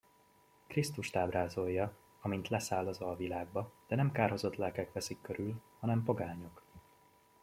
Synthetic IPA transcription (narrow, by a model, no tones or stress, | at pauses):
krist̪uʃt̪aːbraːzo̞jːɒ | ɒmint̪lɛsaːlːɒzɒlvilaːɡ̚bɒd̪̥ɛnɛmkaːrɦo̞zo̞t̪lɛlkɛkʋɛsikːøɾylhɒnɛmpoɡaːɲo̞k